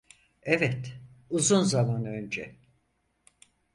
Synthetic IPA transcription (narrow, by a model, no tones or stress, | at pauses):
ɛvɛt̪uzunzamanø̞nd͡ʒɛ̰